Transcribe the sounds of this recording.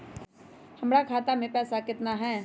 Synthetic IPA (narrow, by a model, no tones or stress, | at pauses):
hɐmɾakʰaːt̪amẽpɛːsakɪt̪naɦɛː